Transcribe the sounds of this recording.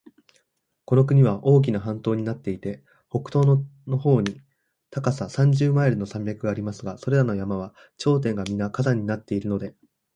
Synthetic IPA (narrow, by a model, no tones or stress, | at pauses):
ko̞no̞k̬ɯ̟ɲ̟iβaʔo̞ːk̬ʲinaɦãnt̪o̞ːɲ̟inat̪ːe̞it̪e̞ | ho̞kɯ̟̥t̪o̞ːnono̞ho̞ːɲ̟i | t̪akasasãɲ̟d͡ʑɨːmaeɾɯ̟no̞sãmbʲjakɯ̟ɡaːɾʲimasɨɡaso̞ɾe̞ɾano̞jamaβ̞a | t͡ɕo̞ːt̪̬ẽ̞ŋɡamʲinakazaɲ̟ːinat̪ːe̞iɾɯ̟no̞d̪e̞